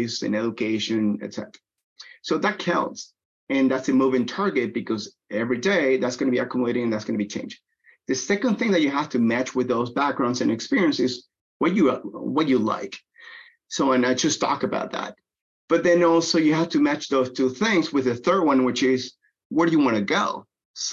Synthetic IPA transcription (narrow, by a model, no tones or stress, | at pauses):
sɨ̰̃nɛɾɨkʰeɪʃɨ̃nɨ̰tsɛ̰ɾə̥˞ə | soʊðɨt̚kʰãʊ̃ts | ɨ̃nðætsɨmuvɪ̃ŋtʰɑɹɡɨt̚b̥ɨkʰʌz | ɛvɹideɪðætsɡ̥ʌnɨbiɨkʰjuməleɪɾɪ̃ŋɨ̃n̩ðætsɡ̥ʌnɨbit͡ʃʰḛ̃ɪ̃nd͡ʒɪ̃ŋ | ðɨsɛkɨ̃nθɪ̃ŋðɨt͡ʃɨɦæftʰɨmæt͡ʃwɨðoʊzbæk̚ɡ̥ɹãʊ̃ndzɨ̃nɨkspɪɹiɨ̃nsɨz | wʌtɨwʌtɨla̰ɪk | soʊãnaɪd͡ʒ̥ʌstʰɔ̰kɨba̰ʊt̪̚ðæ̰t̚ | b̥ʌt̪̚ðɨ̃nɔlˠsoʊjɨɦæftʰɨmæt͡ʃðoʊz̥tʰʉθɪ̃ŋzwɨðɨθɜ˞d̚wʌ̃nwɨt͡ʃɪz | wə˞ɾɨjɨwɑ̃ñɨɡoʊ